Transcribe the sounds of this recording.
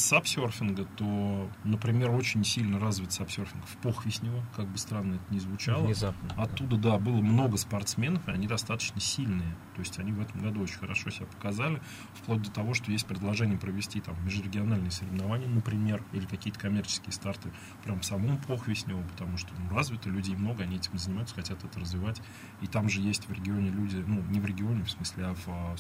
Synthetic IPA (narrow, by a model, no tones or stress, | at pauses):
sapsʲorfʲɪnɡət̪onəpɾʲɪmʲe̞ɾo̞t͡ɕɪnʲsʲilʲnəɾazvʲɪt̪sɐpsʲo̞rfʲɪnɡəfpoxvʲɪsʲnʲɪvəkaɡ̚bɨst̪ɾanːəɛt̪ənʲɪzvʊt͡ɕalˠəɐt̪ːud̪əd̪abɨlˠəmno̞ɡəspɐrt̪smʲe̞nəfɨɐ̰nʲid̪ɐst̪at̪ə̥t͡ɕnəsʲilʲnɨjət̪o̞ɪsʲtʲɐnʲivɛt̪əmɡɐd̪uot͡ɕɪnʲxəɾɐ̰ʂo̞sʲɪbʲapə̥kɐzalʲɪ | fklˠod̪ʲɪt̪ɐvo̞ʂt̪o̞jesʲt̚ʲpɾʲɪd̪lˠɐʐɛnʲɪjəpɾəvʲɪsʲtʲit̪amːʲɪʐɾʲɪɡʲɪɐnalʲnɨjəsəɾʲɪvnɐvanʲɪjənəpɾʲɪmʲe̞rilʲɪkɐkʲijət̪ə̥kɐmʲert͡ɕɪ̥skʲɪjst̪art̪ɨ | pɾʲamfsɐmo̞mpʰoxvʲɪsʲnʲɪvopə̥t̪ɐmuʂt̪onuɾazvʲɪt̪əlʲʉdʲɪmno̞ɡəɐnʲiɛtʲɪmzənʲɪmajʉt̪sə̥xɐtʲat̪ɛt̪əɾəzvʲɪvatʲ | it̪amʐɨjesʲtʲvɾʲɪɡʲɪo̞nʲɪlʲudʲɪnunʲɪvɾʲɪɡʲɪo̞nʲɪfsmɨsʲlʲɪavə